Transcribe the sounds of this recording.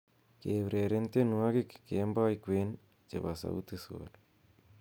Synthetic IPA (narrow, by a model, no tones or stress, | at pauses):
keβɾeɾent̪enuakikkembaikwen | t͡ʃḛβasa̰ṵt̪iso̰l